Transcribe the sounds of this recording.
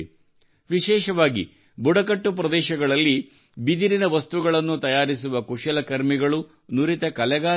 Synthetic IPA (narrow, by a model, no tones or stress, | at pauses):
ʋiʃɛːʃɐʋaːɡḭ | buɽɐkɐʈːupɾɐd̪ɛːʃɐɡɐɭɐlːi | bid̪iɾinɐʋɐst̪uɡɐɭɐnːut̪ɐjaːɾisuʋɐkuʂɐlɐkɐɾmiɡɐɭu | nuɾit̪ɐkɐlɛɡaː